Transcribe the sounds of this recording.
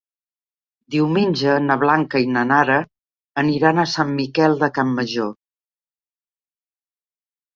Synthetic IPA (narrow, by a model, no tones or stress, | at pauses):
d̪iwmenʲd͡ʒənəβlaŋkəinənaɾəː | niɾanəsamːikɛlˠd̪əkamːəʒo